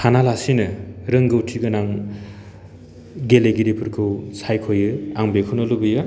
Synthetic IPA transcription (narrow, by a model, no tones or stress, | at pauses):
hʰanalasinɯɾɯŋɡɯwtʰiɡɯnaŋ | ɡeleɡiɾipʰɯɾkʰɯwsʰajkʰojɯaŋbekʰunɯlubɯjɯ